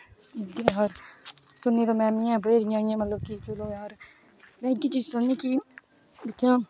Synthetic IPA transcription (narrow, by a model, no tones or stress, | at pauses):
ɪd̪eːɦəɾ | sʊnːiːt̪õːmɛːmɪjãːbəiːɾɪjãːɪjãːmət̪ləb̚kɪt͡ʃəloːjaːɾ | mɛ̃ːɪd̪iːt͡ʃiːzsʊɾniːkiː | d̪ɪkʰːjãː